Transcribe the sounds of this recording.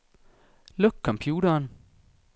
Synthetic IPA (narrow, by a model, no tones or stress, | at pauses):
lɔɡ̥̚kʰːɒ̽mpʰjuːɾɐn